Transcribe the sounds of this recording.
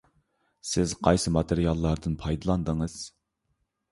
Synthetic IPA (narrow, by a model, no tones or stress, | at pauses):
sɪzqʰɑjsɨmɑt̪ʰeɾijɑlˠːɑɾd̪ɨnpʰɑjd̪ɨlˠɑnd̪əŋɨz̥